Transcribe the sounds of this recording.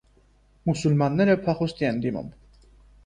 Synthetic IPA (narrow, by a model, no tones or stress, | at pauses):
musulmanːɛɾɛpʰaχust̪ʼiɛnd̪imɔ̰m